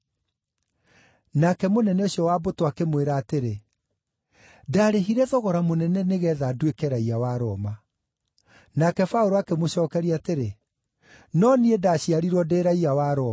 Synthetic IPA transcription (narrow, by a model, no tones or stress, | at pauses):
nakɛmonɛnɛoɕjɔwabotwakemweɾaːteɾe | daːɾeɦiɾɛðɔɣɔɾamonɛnɛneɣɛːðadwekɛɾaiawaɾɔma | nakɛfaoɾoakemoɕɔːkɛɾiateɾe | nɔniɛdaɕiaɾiɾwɔdeːɾaiawaɾɔ